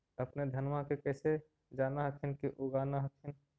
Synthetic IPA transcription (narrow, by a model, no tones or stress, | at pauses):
əpned̪ʱənmakekɛːse | d͡ʒaːnaɦəkʰinkiʔʊɡaːnaɦəkʰin